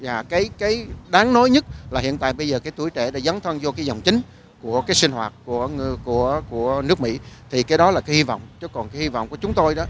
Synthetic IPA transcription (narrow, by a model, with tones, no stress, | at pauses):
zaː˨˩kaː˨˦jkaː˨˦jɗaː˨˦ŋno˨˦jɲə˦˥t̚laː˨˩hḭ˧˨ənt̪a̰ː˧˨jɓə˧jzəː˨˩kaː˨˦jt̪u˧˩əjt͡ɕɛ˧˩ɗaː˧˥zaː˨˦nt̪ʰə˧nzɔ˧kaː˨˦jzɔ̰˨˩wŋ͡mt͡ɕï˨˦ŋ̟ | ku˧˩əkaː˨˦jsï˧ŋ̟hwaː˨˩t̚ku˧˩əku˧˩əku˧˩ənɨ˦˥ək̚mḭ˧˥t̪ʰi˨˩kaː˨˦jɗɔ˨˦laː˨˩kaː˨˦hi˧vɔ̰˧˨wŋ͡mt͡ɕɔ˨˦˥kɔ˨˩nkaː˨˦jhi˧vɔ̰˧˨wŋ͡mku˧˩ət͡ɕʊ˨˦ŋ͡mt̪o˧jɗɔ˨˦